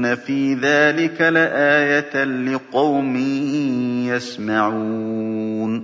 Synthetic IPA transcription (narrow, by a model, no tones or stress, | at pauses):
nafiːðaːlɪkalɪʔaːjat̪lɪqɑwmɪ | jasmaʕuuːn